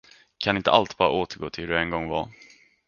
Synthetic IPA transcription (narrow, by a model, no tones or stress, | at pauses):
kʰanɪnt̪ə̰ʔalt̪bɑːɾa̰oːt̪əɾɡoːt̪ʰɪld̪ɵɛnɡɔŋːva̰